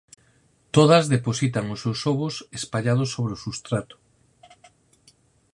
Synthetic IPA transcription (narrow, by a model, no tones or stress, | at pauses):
t̪oð̞ɐzðeposit̪aŋosewsoβosespaʎað̞osːoβ̞ɾeosust̪ɾat̪o̥